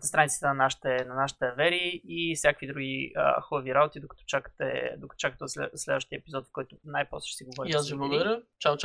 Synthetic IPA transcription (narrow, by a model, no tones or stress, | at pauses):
nəst̪ɾanit̪sə̥t̪ənɐnaʃi̥t̪ɛnɐnaʃi̥t̪ɛɐvɛɾiifsʲjakəkvid̪ɾuɡʲiə̰xɔbviɾabot̪id̪okɐ̥t̪ɔ̥t͡ʃakə̥t̪ɛ̰d̪okə̥t̪ɔ̥t͡ʃakət̪ɛsɛslɛd̪vəʃt̪ijəɛpizɔt̪fkɔjt̪ʊnajpɾɔsɛ̥ʃsiɡovɔɾijazviblˠəɡʊd̪ɐɾʲjət͡ʃat͡ʃ